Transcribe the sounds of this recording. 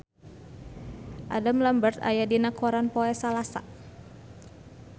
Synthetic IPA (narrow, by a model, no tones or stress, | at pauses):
ʔadamlambərt̪a̰jadinakʰɔɾanpɔɛsalasa̰